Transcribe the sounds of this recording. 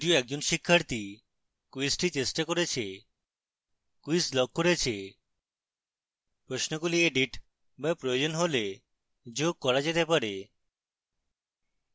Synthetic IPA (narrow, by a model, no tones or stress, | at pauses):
d̪ioɛk̚d͡ʑonʃikʰːaɾt̪i | kuisʈit͡ɕesʈakoɾet͡ɕʰe | kuislɔɡ̚koɾet͡ɕʰe | pɾosnokulieɖiʈ | bapɾojod͡ʑonɦole | d͡ʑoɡ̚kɔɾad͡ʑet̪epaɾe